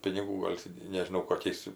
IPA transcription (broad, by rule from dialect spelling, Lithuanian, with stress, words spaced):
pʲɪnʲɪˈɡuː ˈɡoːlʲ tʲɪ nʲɛʒʲɪˈnɐʊ koːˈkʲɛɪs